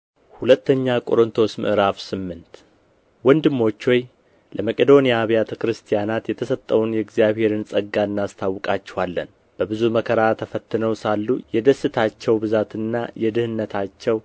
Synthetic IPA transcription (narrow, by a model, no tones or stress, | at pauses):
hulət̪ʰːəɲːakʼo̞̰ɾɨnt̪ʰo̞smɨ̰ʔɨɾafsɨmːɨnt̪ | wɔnd̪ɨmːo̞t͡ʃːwɔj | ləməkʼed̪o̞nijaβjat̪ʰəkɾɨst̪ʰijanat̪jɛt̪ʰəsət̪ʼːəwunjɛɡzjaβhe̞ɾɨnsʼəɡːaɨnːast̪ʰawːɨkʼat͡ʃːɛ̥hwalːə̰n | b̥əbɨzuməkʰəɾat̪ʰəfət̪ːɨnəwsalːujɛd̪əsɨt̪ʰat͡ʃːɛwbɨzat̪ɨnːa̰jɛd̪ɨhɨnːət̪ʰat͡ʃːɛw